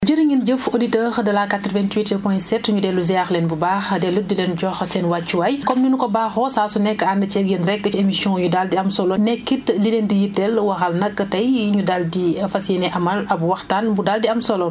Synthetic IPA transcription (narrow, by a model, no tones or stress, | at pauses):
d͡ʒəɾiɲind͡ʒəfoditəxdɐlakatːɾvɛntwitilpɔ̃jsɛtɲudɛːluzaxlɛnbubaːxdɛludilɛnɟɔxsɛnwat͡ʃːuwɐjkɔmnunukɔbaːxɔsaːsunɛkːəandət͡ʃɛkjɐnɾɛkːət͡ʃiemisjɔ̃judaldiɐmsɔlɔnɛkːitlilɛndijitːɛlwɐxɐlnɐkːətɐjɲudaldiɐfɐsɛnɛʔɐmɐlɐbwɐxtaːnbudaldiɐmsɔlɔn